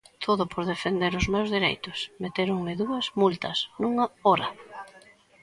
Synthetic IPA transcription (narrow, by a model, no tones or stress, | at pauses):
t̪ʰoðʊpʰoɾðefend̪eɾʊzmewzðiɾḛjt̪ʊsmet̪eɾuŋmɪðuɐzmult̪ɐsnuŋɐoɾɐ